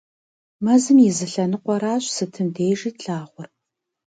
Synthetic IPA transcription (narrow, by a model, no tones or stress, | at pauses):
mɐzɨmjɪzɨɬɐnɨqʷɔɾaːɕsɨtʰɨndeːʐiːtɬaːʁʷʊr